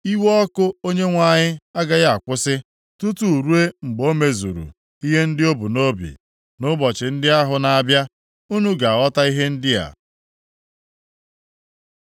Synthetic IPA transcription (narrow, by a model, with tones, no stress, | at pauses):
i˦wɔ˦kʊ˦o˦ɲe˦ŋʷa˨ɲɪ˦a˦ɡa˦ja˦a˨kʷʊ˦sɪ˦ | tu˦tu˨ɾu˦e˦ŋ͡m̩˨ɡ͡bo˦me˦zṵ˨ɾṵ˨ | i˦ɦe˦n̩˦dɪ˦o˦bʊ˨no˦bḭ˨ | nʊ˦bɔ˨t͡ʃɪ˨n̩˦dɪ˦a˦ɦʊ˨na˨a˨bja˦ | u˦nu˦ɡa˨a˨ɔ˦ta˦i˦ɦe˦n̩˦dɪ˦a̰˨